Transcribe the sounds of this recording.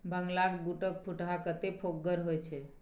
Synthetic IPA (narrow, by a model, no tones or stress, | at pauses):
bəŋɡlakbuʈək̚pʰuʈɦakət̪epʰoɡːəɾɦojt͡ʃʰɛ